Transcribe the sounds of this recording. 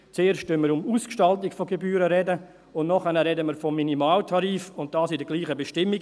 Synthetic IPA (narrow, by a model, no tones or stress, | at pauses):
t͡seːɾʃtønməɾʊmuːskʃtɑltɪkfoɡebyːɾəɾɛdə | ʊnnɔχɛnəɾɛdəməɾfɔmːinimɑːltʰɑɾiːfʊnt̚d̥ɑːsɪdəɡliːχəbeʃtɪmːiɡ